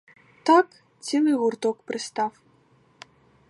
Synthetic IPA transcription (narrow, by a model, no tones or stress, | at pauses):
t̪ɑk | t͡sʲilˠɨɣurt̪okpɾɨst̪ɑf